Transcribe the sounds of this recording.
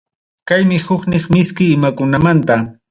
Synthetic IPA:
kajmɪhʊknɪχmɪskɪːmakʊnamant̪a

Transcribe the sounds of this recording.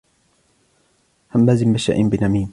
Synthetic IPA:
hamlaːzɪmːaʃa̰ʔɪnbɪnamiːm

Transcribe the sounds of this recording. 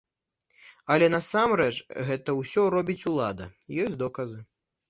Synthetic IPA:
ɐlʲɛnɐsamɾɛt͡ʂɣɛt̪ɐwsʲɔɾɔbʲit͡sʲulˠad̪ɐ̰jɔsʲd̪ɔkɐzɨ

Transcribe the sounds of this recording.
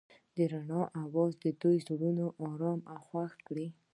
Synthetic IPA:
d̪əɾaɳɑʔawɑzd̪əd̪ojzuɽunoʔɑɾɑmawxwaxkɽi

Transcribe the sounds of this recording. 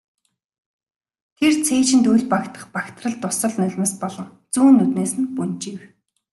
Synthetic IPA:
t̪ʰert͡sʰeːt͡ɕɪ̆nt̪ujɮʲpakt̪ʰə̥̆χpakt̪ʰrə̆ɮt̪ʊsə̆ɮnœɮʲmĕspɔɮɞ̆ŋt͡suːnːut̪neːsɘ̆npunt͡ɕiw

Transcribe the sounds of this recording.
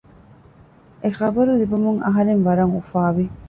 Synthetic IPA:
exɐbɐɾulibumuŋɐɦɐɾenʋɐɾɐŋufaːʋi

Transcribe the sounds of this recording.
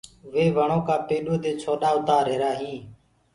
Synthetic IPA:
ʋeːʋəɳõːkaːpeːɗõːd̪eːt͡ʃʰoːɗaːʊt̪aːɾeːɾaːɦĩː

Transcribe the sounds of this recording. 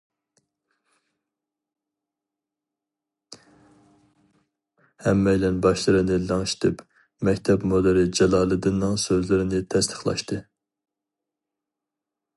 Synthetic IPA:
hɛmːɛjlɛnbɑʃlˠɨɾɨnɪlɑŋʃi̥t̪ʰɨp | mɛkʲt̪ʰɛpmod̪ɨɾɪd͡ʒɛlˠɑːlˠɨd̪ɨnːɨŋsøzlɪɾɪnɪt̪ʰɛst̪ʰɨ̥χlˠɑ̰ʃt̪ʰɨ

